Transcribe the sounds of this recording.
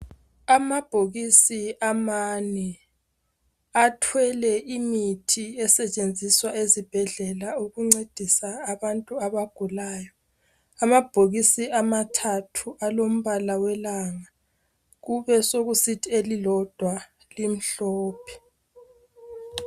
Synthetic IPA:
amab̥ʱoɣisiʔamanɛ | atʰwɛlɛʔimitʰiɛsɛt͡ʃʼend͡zʱiswaezib̥ʱɛɮɛlauɣuŋ͡ǀed̥ʱisaːβantʼuaβaɡ̥ʱulaːjɔ | amab̥ʱoɣisiamatʰatʰuʔalom̩βalawɛlaŋa | ɣuβɛsoɣusitʰielilɔd̥ʱwa | lim̩ɬɔːpʰɛ̥

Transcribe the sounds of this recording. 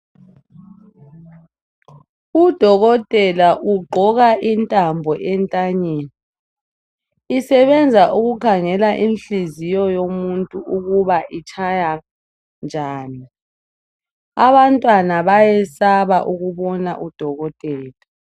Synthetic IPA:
ud̥ʱɔɣɔtʼɛlaʔuɡ͡ǃʱɔɣaʔintʼambʱɔʔɛntʼaɲeːni | sɛβɛnd͡zʱaʔuɣukʰaŋɛlaʔinɬizijɔjomuntʼuʔuɣuβaʔit͡ʃʰaja | nd͡ʒʱaːni | aβantʼwanaβajɛsaβa̰ʔuɣuβɔnaʔud̥ʱɔɣɔtʼɛːla

